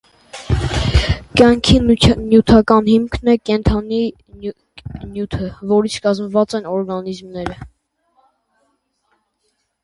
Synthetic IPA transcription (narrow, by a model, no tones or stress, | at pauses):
kjɑŋkʰinjut̪ʰɑkɑnhimkʰnɛkɛnt̪ʰɑni | njut̪ʰəvɔɾit͡sʰkɑzməvɑt͡sɛnɔɾɡɑnizmnɛɾə